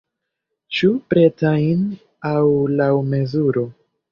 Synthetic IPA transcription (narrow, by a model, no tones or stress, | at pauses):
t͡ʃupɾe̞tajn | awlawme̞zuɾo̞